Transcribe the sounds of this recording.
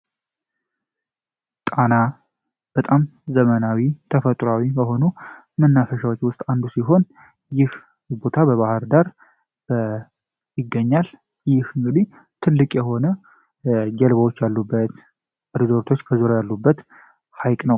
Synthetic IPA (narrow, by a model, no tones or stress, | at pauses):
t̪ʼana | b̥ət̪ʼamzəmənawit̪ʰəfət̪ʼɾawibəɦo̞nu | mənːafəʃawot͡ʃːwʊst̪ʼand̪usiɦo̞n | jɪh | bo̞t̪ʰabəβahɨɾd̪aɾ | bə | jɪɡːəɲːal | jɪhɨŋɡɨd̪i | t̪ʰɨlːɨkʼjɛɦo̞nə | d͡ʒəlβəwo̞t͡ʃːjalːubːət̪ | ɾizo̞ɾt̪ʰo̞t͡ʃːkʰəzuɾajalːubːət̪ | hajkʼnəw